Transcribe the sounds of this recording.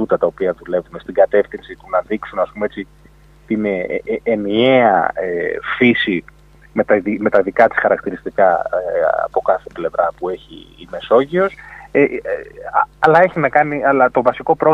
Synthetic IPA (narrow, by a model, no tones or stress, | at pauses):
ut̪ɐt̪ɐo̞piɐðule̞vume̞st̪iɡɐt̪e̞fθinsit̪unɐðiksunɐspumeet͡si | t̪ineenie̞ɐefisi | me̞t̪ɐime̞t̪ɐðikɐt̪i̥sxɐɾɐk̚t̪iɾist̪ikɐeɐ̰po̞kɐθe̞ple̞vɾɐpue̞çḭːme̞so̞ʝio̞se | ɐlɐe̞çinɐkɐniɐlɐt̪o̞vɐsiko̞pɾo̞